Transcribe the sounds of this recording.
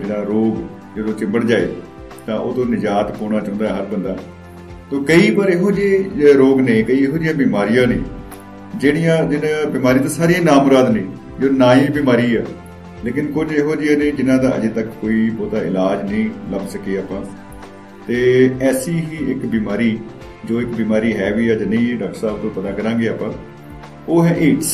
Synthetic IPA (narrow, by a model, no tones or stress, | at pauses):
d͡ʒɪnãːɾoːɡ | d͡ʒəd̪õːt͡ʃɪ̃mbəɽd͡ʒaːḛː | t̪ãːʔoːt̪õːnɪd͡ʒaːt̪koːɽ̃aːt͡ʃãːnd̪ːɛːɦəɾbənd̪a̰ː | t̪õːkəiːbaːɾeːɦoːd͡ʒeːɾoːɡnẽːkəiːɦoːd͡ʒɪjãːbiːmaːɾijãːnḛ̃ː | d͡ʒɪːɽ̃ɪjãːd͡ʒɪnãːbɪmaːɾĩt̪ãːsaːɾijãːnaːmoɾaːd̪nẽː | d͡ʒonaːĩːbiːmaːɾiːaː | leːkɪnkʊd͡ʒeːɦoːd͡ʒɪjãːnẽːd͡ʒɪnãːd̪ãːʔə̰d͡ʒeːt̪əkːoːiːbɔːt̪aːɪ̰laːd͡ʒnəĩːləbsəkeːaːpãː | t̪eːɛːsiːɦiːɪkbiːmaːɾiː | d͡ʒoːɪkbiːmaːɾiːɦɛːʋiːɛːd͡ʒnəĩːɖaːk̚ʈsaːb̚t̪õːpət̪aːkəɾãːɡeːaːpãː | oːɦɛːʔeːʈs